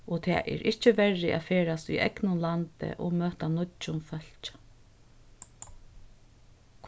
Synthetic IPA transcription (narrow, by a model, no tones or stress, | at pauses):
ɔt̪ʰɛ̰ːʔɛ̰ɾʔɪht͡ʃəʋɛɹːɪʔa̰ðfeːɾasḭʔɛ̰knʊnlant̪ɪ̰ʔɔmøːht̪anʊt͡ʃʊnfœl̥t͡ʃ | kʰ